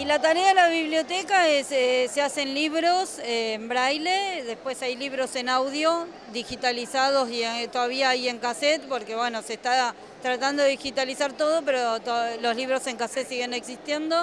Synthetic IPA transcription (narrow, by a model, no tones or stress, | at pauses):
ilat̪aɾeaðelaβiβljo̞t̪ekaesesease̞nliβɾo̞sembɾajleðe̞spwe̞sajliβ̞ɾo̞se̞nawðjo̞ | d̪ixit̪alisað̞osiet̪oðaβiaaje̞ŋkaset̪po̞ɾke̞βwe̞no̞sest̪a | t̪ɾat̪and̪oðeðixit̪alisaɾt̪o̞ðo̞peɾot̪olo̞sliβ̞ɾo̞se̞ŋkaset̪siɣe̞neksist̪je̞nd̪o̞